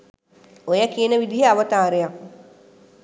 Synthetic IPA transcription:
ojɐkiːnəʋid̪iɦeaʋɐt̪aːɾeja

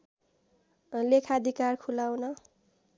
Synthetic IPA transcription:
lekʰad̪ʱikarkʰulawnʌ

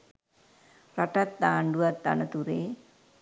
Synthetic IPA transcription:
raʈat̪̚d̪aːɳɖuʋat̪ːa̰nət̪uɾeː

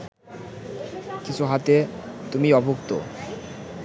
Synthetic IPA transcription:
kit͡ɕʰuɦat̪et̪umiɔbʱokt̪o

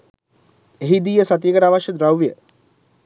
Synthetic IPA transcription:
eɦid̪ijəsat̪ijiɡəʈaːʋaʃjəd̪ɾawʋijə

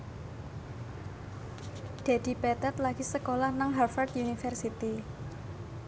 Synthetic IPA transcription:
d̪̥e̤d̪̥i̤pɛt̪ɛt̪laɡ̥isəkolahnaŋɦafart̪ʔunifɛrsit̪i

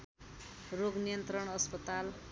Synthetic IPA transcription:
roɡnijʌnt̪rʌɽ̃ʌspʌt̪al

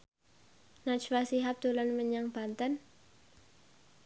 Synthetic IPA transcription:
nat͡ʃwasiɦap̚d̪̥olanməɲaŋb̥ant̪ən

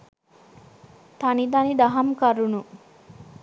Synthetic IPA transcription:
t̪anid̪anid̪ɐɦɐmkɐɾunu

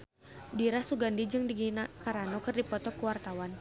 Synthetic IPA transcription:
diɾasuɡandid͡ʒɨŋdiɡinakaɾanɔkɨrdipɔt̪ɔkəwart̪awan

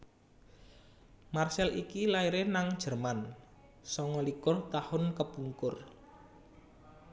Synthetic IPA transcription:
marsɛlʔikilaiɾenaŋd̥ʒ̥ə̤rman | sɔŋɔlikʊrt̪ahʊnkəpuŋkʊr

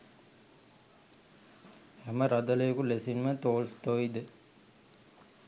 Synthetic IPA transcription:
hɛməɾad̪ələjəkulesinmət̪oːlst̪oid̪ə

